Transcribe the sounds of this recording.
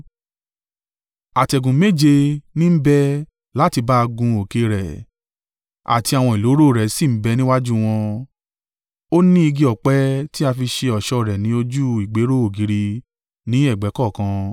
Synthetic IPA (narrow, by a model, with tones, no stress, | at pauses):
a˨tɛ˨ɡũ˨˦me˦˨d͡ʒe˧nĩ˦m̩˦bɛ˦ | la˦ti˧ba˦˧ɡũ˧o˨ke˧ɾɛ˨ | a̰˨ti˧˦a˨w̃ɔ̃˧i˨lo˨˦ɾo˦˨ɾɛ˨si˦˨m̩˨˦bɛ˧nĩ˦wa˦d͡ʒu˦w̃ɔ̃˧ | o˦nĩ˦i˧ɡi˧ɔ˨k͡pɛ˦ti˦a˧fi˧ʃe˧ɔ˨ʃɔ˧˦˨ɾɛ˨nĩ˨˦o˧d͡ʒu˦i˨ɡ͡be˨˦ɾo˦o˨ɡi˨˦ɾi˧ | nĩ˨˦ɛ˦˨ɡ͡bɛ˨˦kɔ˦˨kã˧